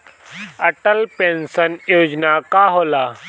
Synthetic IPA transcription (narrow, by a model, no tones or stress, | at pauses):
ɐʈəlpẽːnsənjoːd͡ʒnakaɦoːlaː